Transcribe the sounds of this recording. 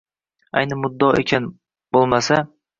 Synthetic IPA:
a̰jnɪmʊd̪ːɒḛkʲʰan | b̥olˠmasa

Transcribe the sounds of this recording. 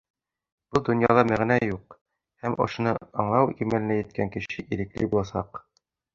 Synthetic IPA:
b̥ulˠd̪ŏnjɑ̰lˠɑmæʁnæjuq | hæmʔŏ̰ʃŏnɤɑɴlˠɑwimælɘ̆næjɘ̆t̪̚kæŋkɘ̆ɕɘʔiɾɘ̆klḭbulˠɑsɑ̰q

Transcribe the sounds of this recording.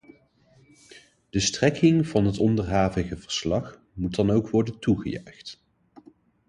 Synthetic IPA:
d̥əstrɛkɪŋv̥ɑnɦətɔndərɦaːvəχəvəɹslɑχ | mutdɑnowkʋɔɹdəntuχə̰jœ̰ɥχt

